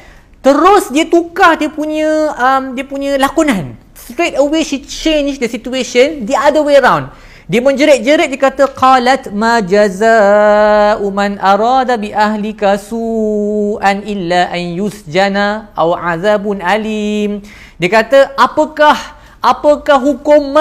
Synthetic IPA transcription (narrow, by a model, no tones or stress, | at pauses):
t̪əɾʊsdiət̪ukahdiəpuɲə̃əmdiəpuɲə̃lakunãn | st̪ɾet̪̚əweʃit͡ʃẽnd͡ʒdəsit̪ueʃəndiʔadəweɾawn | diəmə̃nd͡ʒəɾɛt̪̚d͡ʒəɾɛt̪̚diəkat̪əqɑlat̪mãd͡ʒazaː | ʔumãnʔaɾɑːd̪abiʔaɦlikasuːʔanʔilːaʔanjusd͡ʒanaʔawʕaðabʊnalim | diəkat̪əʔapəkah | ʔapəkahɦukʊm